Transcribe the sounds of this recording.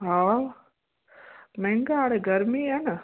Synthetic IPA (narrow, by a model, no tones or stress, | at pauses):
aː | meŋɡaːɽeɡɐɾmianɐ